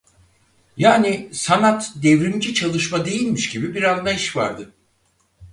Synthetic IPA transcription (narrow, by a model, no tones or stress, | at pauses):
jaːnisanat̪d̪ɛvɾimd͡ʒit͡ʃʰalˠɯʃmad̪e̞jilʲmiʃɟibibiɾanlˠajiʃva̰ɾd̪ɯ